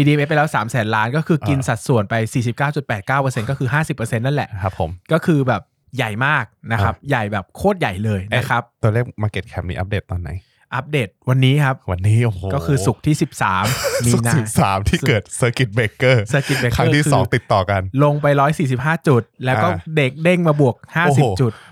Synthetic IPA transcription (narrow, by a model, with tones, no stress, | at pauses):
ʔi˧iː˧mʔe˥p̬a˧jlɛː˦˥wsaː˩˦msɛː˩˦nlaː˦˥nkɔː˥˩kʰɯː˧ʔki˧nsa˨˩t̪̚su˨˩ənpa˧jsiː˨˩si˨˩p̚kaː˥˩wt͡ɕu˨˩t̪̚pɛː˨˩t̪̚kaː˥˩wpɤː˧se˧nkɔː˥˩kʰɯː˧ɦaː˥˩si˨˩pːəː˧se˧nːa˥˩nlɛ̰˨˩ʔkʰɾa˦˥pʰːo̰˩˦mkɔː˥˩kʰɯː˧bɛː˨˩p̚ | ja˨˩jmaː˥˩k̚na˦˥kʰa˦˥p̚ja˨˩jbɛː˨˩p̚kʰoː˥˩t̪̚ja˨˩jlɤː˧jna˦˥kʰa˦˥p̚t̪u˧li˥˩əkmaː˧ke˨˩t̪̚kʰɛː˦˥m̚nḭː˦˥ʔa̰˦˥p̚deː˨˩t̪ːɔː˧nːa˩˦j | ʔa˦˥p̚deː˨˩t̪̚wa˧nːiː˦˥kʰa˦˥p̚wa˧nːiː˦˥ʔo˨˩kɔː˥˩kʰɯː˧su˨˩k̚t̪ʰiː˥˩si˨˩p̚saː˩˦mmiː˧na˦i˨˩sa̰ː˩˦mt̪ʰiː˥˩kɤː˨˩t̪̚sɤː˧ki˨˩t̪̚beː˨˦˥kɤː˥˩səː˧ki˨˩t̪̚beː˧kʰa˦˥ŋː˥˧t̪ʰiː˥ɯːɔː˧˩˦ŋt̪i˨˩t̪ːɔː˨˩ka˧nlo˧ŋpa˧jɾɔː˦˥jsiː˨˩s̬i˨˩p̚ɦaː˥˩t͡ɕu˨˩t̪̚lɛː˦wkɔː˥˩de˦˩k̚de˥˩ŋmaː˧bu˨˩ək̚haː˥˩˧si˨˧pt͡ɕu˨˩t̪